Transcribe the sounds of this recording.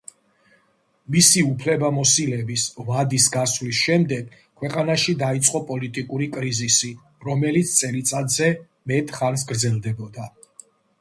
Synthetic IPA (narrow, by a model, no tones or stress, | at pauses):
misiupʰlɛbamɔsilɛbisvad̪isɡasvlisʃɛmd̪ɛɡ̥ | kʰːwɛqʼanaʃid̪ait̪sʼqʼɔpʼɔlit̪ʼikʼuɾikʼɾizisi | ɾɔmɛlit̪sʰt̪sʼɛlit̪sʼad̪zɛ | mɛt̪ʼχans̬ɡɾd̪zɛlˠd̪ɛbɔd̪a